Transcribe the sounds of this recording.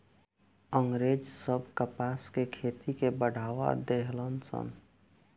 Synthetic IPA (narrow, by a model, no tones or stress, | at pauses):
əŋɡɾed͡ʒsəbʱkəpaːskekʰeːt̪ikebəɽ̤ʱaːʋa̰d̪eɦlənsə̰n